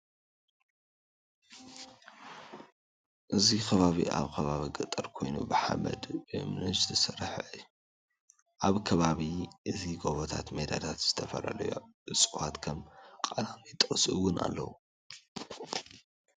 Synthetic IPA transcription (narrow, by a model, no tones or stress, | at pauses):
ʔɨzikʰɐβaβḭʔa̰βkʰɐβaβiɡɨt̪ʼːɐɾkʰo̞jnṵbɨħa̰mɐ̰d̪ɨmɨnɨst̪ʰɨsɐɾħʔɨjːu | ʔaβkʰɐβaβiʔɨziɡoβot̪ʰa̰t̪med̪alʰat̪z̥ɨt̪ʰɐfɐ̰la̰lɐjoɨsʼwat̪kʰɐmkʼalamit̪ʼɨχʼsʔuwʊnʔa̰lːɐ̰wu